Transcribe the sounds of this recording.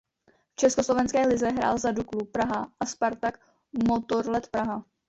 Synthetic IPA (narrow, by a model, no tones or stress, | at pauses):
ft͡ʃɛskoslo̞vɛnskɛːlɪzɛɦɾa̰ːlzaduklupɾaɦaʔaspaɾt̪ak | mot̪oɾlɛt̪pɾaɦa